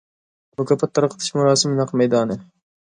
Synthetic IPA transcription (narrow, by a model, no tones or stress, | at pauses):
mʊkʰʲɑpʰːɛt̪ʰːɑɾqʰət̪ʰɨ̥ʃmuɾɑːsɨmjɑqmɛjd̪ɑːnɨ